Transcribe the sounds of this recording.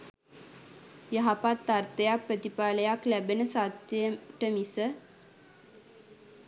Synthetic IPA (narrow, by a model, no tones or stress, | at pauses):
jəɦapat̪ːart̪əjak̚prət̪ipaːləjaklæbenəsat̪ːəjəʈəmisə